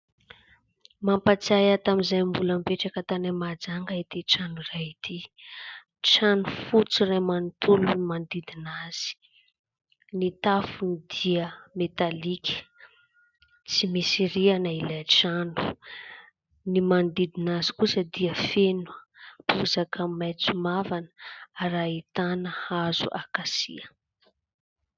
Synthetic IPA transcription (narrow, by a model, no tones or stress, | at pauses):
mampat͡sajat̪amizajmbuləmpeʈ͡ʂakət̪anamad͡zaŋɡaet̪iʈ͡ʂanurajit̪ʰi | ʈ͡ʂanufut͡sirajmanit̪ulumand̪id̪inaz̥i̥ | nit̪afunid̪̥iəmet̪alikʲə̥ | t͡simisiɾianailajʈ͡ʂanu̥ | nimand̪id̪inazi̥kusəd̪iəfenwə | puzakʰəmajt͡sumavanə̥aɾait̪anəhazṵʔakasḭə